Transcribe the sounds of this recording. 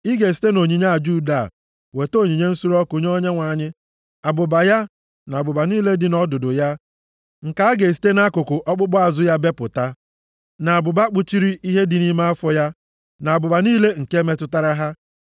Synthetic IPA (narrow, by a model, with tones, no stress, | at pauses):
i˦ɡe˨s̬i̥˨˦te˦no˨ɲi˨ɲa˦a˨d͡ʒu˦da̰˨ | we˨to˦˨ɲi˨ɲe˦n̩˦su˦ɾɔ˦kʊ˨ɲ˦o˦ɲe˦ŋʷa˨ɲɪ˦ | a˨bʊ˨ba˨ja˦ | na˨bʊ˨ba˨niː˦le˦dɪ˨nɔ˦dʊ˨dʊ˨ja˦ | ŋ̩˨ka˦a˦ɡe˨s̬i̥˦te˦na˦kʊ˨kʊ˨ʔɔ˦k͡pʊ˦k͡pɔ˦a˨zʊ˦ja˦be˦pʊ˨ta˦ | na˨a˨bʊ˨ba˦k͡pʊ˦t͡ʃi˦ɾi˦ʔi˦ɦe˦dɪ˨ni˦ma˦a˦fɔ˦ja˦ | na˨a˨bʊ˨ba˨niː˦le˦ŋ̩˨ke˦me˦tʊ˦ta˦ɾa˦ɦa˦